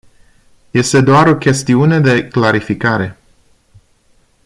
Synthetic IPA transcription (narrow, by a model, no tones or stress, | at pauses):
je̞st̪e̞d̪oaɾo̞kʲe̞st̪iune̞d̪e̞klaɾifikaɾe̞